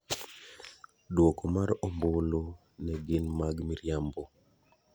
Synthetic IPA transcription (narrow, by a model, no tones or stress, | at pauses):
dwɔkomaɾombolo | nɛɡɪnmaɡmiɾjambo